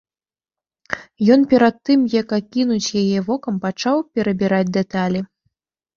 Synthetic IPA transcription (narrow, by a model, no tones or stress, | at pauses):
jɔnpʲɛɾat̪ːɨmjakakʲinut͡sʲjajɛvɔkɐmpat͡ʂawpʲɛɾɐbʲiɾad͡zʲd̪ɛt̪alʲi